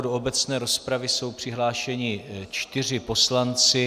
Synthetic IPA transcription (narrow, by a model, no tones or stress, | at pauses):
doobɛt͡snɛːɾo̞spɾavɪso̞wpr̝̥ɪɦlaːʃɛɲɪt͡ʃt̪ɪr̝ɪpo̞slant͡sɪ